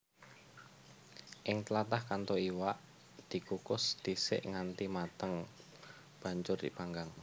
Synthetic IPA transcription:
ʔɪŋt̪lat̪ahkant̪oiwaʔ | d̪̥i̤kukʊsd̪̥i̤sɪ̰ʔŋant̪imat̪əŋ | b̥a̤ɲt͡ʃʊrd̪̥ipaŋɡaŋ

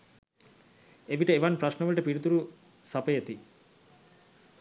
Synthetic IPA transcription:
eʋiʈəeʋanpɾaʃnəʋəlʈəpiɽut̪uɾu | sapəjet̪i

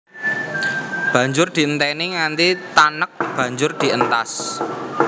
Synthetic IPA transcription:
b̥ä̤ɲd͡ʒʊrd̪̥i̤ənt̪ɛniŋant̪it̪anək̚b̥ä̤ɲd͡ʒʊrd̪̥i̤ʔənt̪as

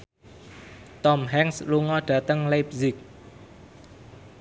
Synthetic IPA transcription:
t̪ɔmɦɛŋsluŋɔɖ̥ä̤t̪əŋlap̚zɪk̚

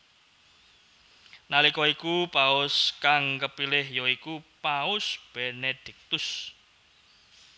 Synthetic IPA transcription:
nalikɔikupaʊskaŋkəpilɪhjɔikupaʊsb̥ened̪̥i̤k̚t̪ʊs

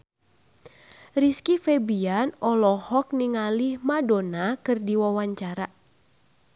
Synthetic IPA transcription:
riskifɛbianɔlɔhɔk̚niŋalihmadonakɨrdiwawaɲt͡ʃaɾa

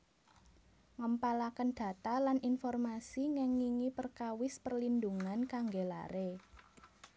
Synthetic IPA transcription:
ŋəmpalakənd̪̥ä̤t̪alanʔinfɔrmasiŋɛŋːiŋipərkawɪspərlind̪uŋankaŋɡela̰ɾe

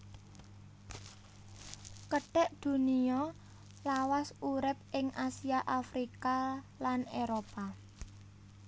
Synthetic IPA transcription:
kəɖ̥ɛʔd̪̥ṳniɔ | lawasuɾɪp̚ʔɪŋasiaʔafɾika | laneɾopa

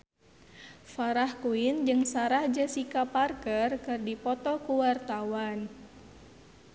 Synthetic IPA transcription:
faɾahkuɪnd͡ʒɨŋsaɾahd͡ʒəsikaparkərkɨrdipɔt̪ɔkuwart̪awan

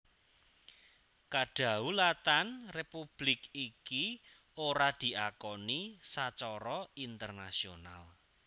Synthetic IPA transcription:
kaɖ̥a̤ulat̪anrepub̥lɪkiki | oɾad̪̥i̤ʔakɔnisat͡ʃɔɾɔint̪ərnasiona̰l

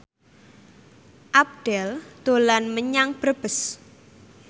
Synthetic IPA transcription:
ʔap̚ɖ̥ɛld̪̥o̤lanməɲaŋpərb̥əs

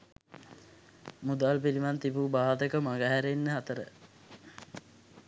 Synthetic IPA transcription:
mud̪aːlpilimant̪ibubaːd̪əkəmaɡəɦæɾenːəɦat̪əɾə̰

